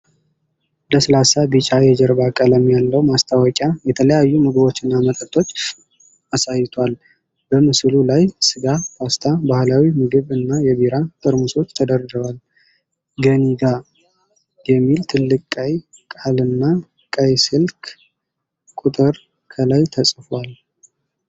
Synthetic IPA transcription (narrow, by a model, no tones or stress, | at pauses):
ləsəlasabit͡ʃʼajɛd͡ʒɛɾbakʼələmːjalːəwmast̪ʰawɔkʼjajɛt̪ʰələjajːumɨɡɨbo̞t͡ʃːɪnːamət̪ʼət̪ʰʼo̞t͡ʃʼ | asajːɪt̪ʰwal | bəmɨslulajsɨɡafʰast̪ʰabahlawimɨɡɨβɨnːajɛβiɾat̪ʰʼɨɾmuso̞t͡ʃːt̪ʰəd̪əɾd̪ɨβal | ɡəniɡa | jɛmːilt̪ʰɨlːɨkʼkʼːəjkʼalɨnːa | kʼəjsɨlkʰ | kʼut̪ʼɨɾ | kʰəlajt̪ʰəsʼfwal